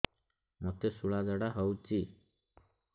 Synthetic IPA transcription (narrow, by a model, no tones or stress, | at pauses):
nɔt̪esuɭad͡ʒɔɽaɦɔwt͡ʃi